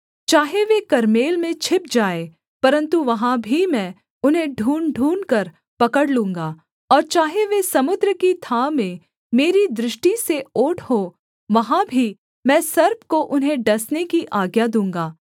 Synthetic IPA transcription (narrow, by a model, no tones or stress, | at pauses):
t͡ʃaːɦeʋekɐɾmeːlmẽt͡ʃʰɪp̚d͡ʒaːe | pɐɾə̃nt̪uʋɐɦãbʱimɛ̃ː | ʊnɦẽɖʱuːnɖʱuːnkɐɾ | pɐkəɽlũːŋɡaː | ɔːɾt͡ʃaːɦeʋesɐmʊd̪ɾəkit̪ʰaːmẽ | meːɾid̪ɾɪʃʈiseoːʈʰho | ʋɐɦãbʱi | mɛ̃ːsɐɾb̚ʱkoʔʊnɦẽɖɐsnekiʔaːɡjad̪ũːŋɡaː